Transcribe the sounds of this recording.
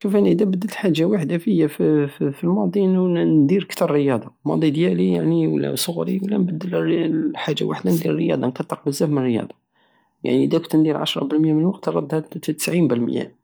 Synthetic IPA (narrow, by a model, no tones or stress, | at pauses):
ʃufænʔəd̪æbəd̪ːət̪lħaʒːawaħəd̪afəjːaffilmɑd̪ˤinund̪iɾkt̪ɑɾˤːəjɑd̪ˤɑmɑ̰d̪ˤid̪jælija̰ʕniwlːæ̰sˤoɣɾḭwlːænbəd̪ːəlħaʒːa̰wa̰ħəd̪and̪iɾrəjɑ̰d̪ˤɑnkɑt̪ˤːəq̚bəzːæfmənrːjɑ̰d̪ˤɑ | ja̰ʕniʔəd̪ækʊt̪nd̪iɾʕa̰ʃɾˤɑ̰bəlmjæmənwɑqt̪ɾˤɑd̪ːhæt̪t̪ːə̥sʕimbəlməjæ̰